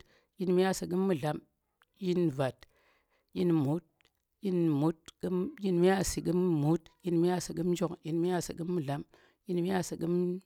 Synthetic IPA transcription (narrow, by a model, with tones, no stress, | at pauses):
ji˦nmi˦ja˦˨sɨ˨k̬ɨ˦mːɨ˦˨ɮa˨˦m | ji˦nva˨t | ji˦nmu˨˦t̚ | ji˦nmu˨˦t̚kɨ˦mji˦nmi˦ja˦˨si˨kɨ˦mmu˨˦tji˦nmi˦a˦˨sɨ˨ɡɨ˦md͡ʒo˦kji˦nmi˦ja˦˨sɨ˨kɨ˦mːɨ˦˨ɮa˦m | ji˦nmi˦ja˦˨sɨ˨kɨ˦m